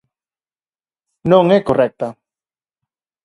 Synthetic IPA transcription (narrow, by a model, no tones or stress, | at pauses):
nõŋɛkorɛk̚t̪ɐ